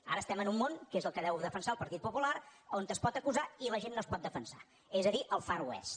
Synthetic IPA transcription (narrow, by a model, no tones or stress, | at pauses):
a̰ɾəːst̪ɛmənumːoŋkezəlˠkəðɛwðəfənsaəlˠpəɾt̪it̪̚pupulaɾont̪əspɔt̪əkuzailəʒenːoəspɔt̪̚d̪əfənsa̰ | ezəðiʔəlˠfaɾuɛ̰st̪